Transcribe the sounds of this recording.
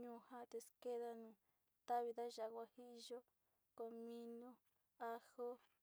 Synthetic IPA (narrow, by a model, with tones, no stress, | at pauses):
ɲũ˧˨ha˦˧t̪e˧ske˦ða˧nũː˨ | t̪a˦βi˧ða˦ʒa˨kʷa˧hi˦ʔʒo˦ | ko˧˨mĩ˧nõ˧ | a˧ho˦